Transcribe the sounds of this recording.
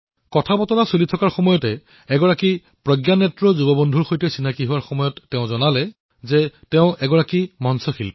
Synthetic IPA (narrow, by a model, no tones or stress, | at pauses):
kɔtʰabɔtɔɹasulitʰɔkaɹxɔmɔjɔtɛ | ɛɡɔɹaki | pɹɔɡjanɛtɹɔzubɔbɔndʱuɹxojtɛsinakiɦuwaɹxɔmɔjɔtːɛʊ̃zɔnalɛ | zɛtɛʊ̃ʔɛɡɔɹakimɔnsɔxil